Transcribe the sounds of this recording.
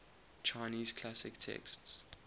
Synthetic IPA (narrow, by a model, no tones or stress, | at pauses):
t͡ʃʰaɪniːz̥kʰlasɪktʰɛ̰ksts